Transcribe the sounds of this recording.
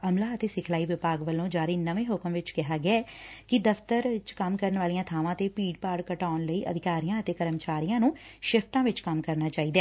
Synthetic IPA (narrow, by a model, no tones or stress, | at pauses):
əmlaːət̪eːsɪkʰlaːiːʋɪpaːɡʋəlõːd͡ʒaːɾiːnəʋẽːɦʊkəmʋɪt͡ʃkɪɦaːɡɪaːɛːkɪd̪əft̪əɾɪt͡ʃkəmkəɾənʋaːlijãːt̪ʰaːʋãːt̪eːpiːɖpaːɽkəʈaːnləiːʔə̰d̪ʱɪkaːɾijãːət̪eːkəɾəmt͡ʃaːɾijãːnũːʃɪpʰʈãːʋɪt͡ʃkəmkəɾnaːt͡ʃaːiːd̪aɛː